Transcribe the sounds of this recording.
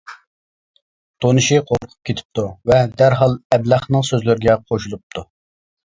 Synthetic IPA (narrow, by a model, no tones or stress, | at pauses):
t̪ʰonɨʃiqʰoɾqʰʊ̥p̚kʲʰet̪ʰɪ̥p̚t̪ʰuvɛd̪æɾɦɑlˠɛblæχnɨŋsøzlɪɾɡʲɛqʰoʃulˠup̚t̪ʰu